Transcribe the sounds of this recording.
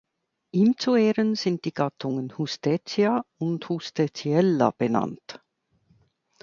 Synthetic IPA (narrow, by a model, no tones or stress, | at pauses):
ʔiːmt͡sueːʁənz̥ɪnt̚d̥iːɡ̥ɑtʰʊŋənhustet͡sjaʊnthustet͡siɛlːa̰b̥enɑ̰nt